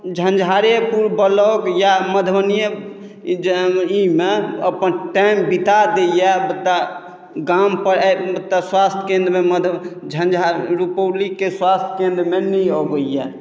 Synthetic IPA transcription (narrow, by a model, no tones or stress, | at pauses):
d͡ʒʱə̃nd͡ʒʱɦaɾepuɾbəlɔkjaməd̪ʱbənijə | imeəpənʈɛmbit̪ad̪ejɛbət̪ːa | ɡampəɾbət̪ːaswast̪ʰkẽnd̪ɾmeməd̪ʱd͡ʒʱənd͡ʒʱaɾupəlikːeswast̪ʰkẽnd̪ɾmenəjɔɡəijɛ